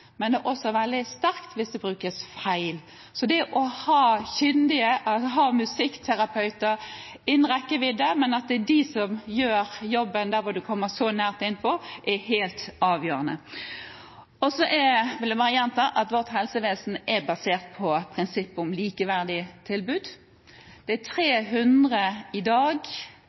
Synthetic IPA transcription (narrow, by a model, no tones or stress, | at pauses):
mɛnd̪ɛʔɔsɔʋɛld̪ɪst̪æɾkt̪ʰʋɪsd̪ɛbɾʉːkəsfæɪl | sɔd̪ɛʔɔhɑːçʏnd̪ɪəʔɑsɔɦɑːmʉsɪkːt̪ʰæɾɑpʰœʉt̪əɾ | ɪnːʁɛkːəʋɪd̪ɛmɛnɑt̪̚d̪ɪsɔmjøːɾjɔbːənd̪æɾʋɔd̪ʉkʰɔmːəsɔnæːʁt̪ɪnːpʰɔʔɛɦeːlt̪ɑːʋjøːɾənə | ɔsɔʔɛʋɪld̪ɛbɑːʁəjɛnt̪ʰɑːʔɑt̪ʋɔʁt̪hɛlsəʋeːsn̩ʔɛɾbɑseːʁt̪̚pʰɔpʰʁɪnsɪpːɔmliːkəʋæʁd̪ɪt̪ʰɪlbʉːd̪ | d̪̥ɛæt̪ʰʁeːɦʉnd̪ʁəɪd̪ɑːɡ